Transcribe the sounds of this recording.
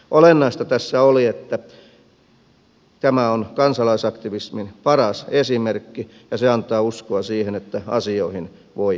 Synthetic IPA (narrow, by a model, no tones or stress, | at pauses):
ʔolenːɑist̪ɑt̪æsːæoliet̪ːæ | t̪æmæonkɑnsɑlɑisɑkt̪iʋisminpɑrɑsesimerkːi | jɑseɑnt̪ˑɑːuskoɑsiːhenet̪ːæɑ̰sioihin | ʋoi